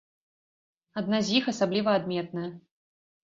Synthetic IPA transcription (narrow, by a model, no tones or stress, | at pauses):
ad̪̚nazʲjixasablʲivɐad̪mʲɛt̪̚nɐjɐ